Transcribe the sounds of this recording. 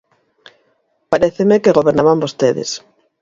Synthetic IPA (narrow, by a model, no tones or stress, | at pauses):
paɾeθemekeɣoβeɾnaβambost̪eðḛs